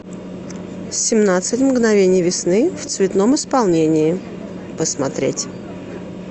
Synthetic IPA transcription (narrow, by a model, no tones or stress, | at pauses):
sʲɪmnat̪sɨtʲmɡnɐvʲenʲɪjvʲɪsnɨft̪svʲɪt̪nomɪspɐlˠnʲenʲɪɪ | pəsmɐt̪ɾʲḛtʲ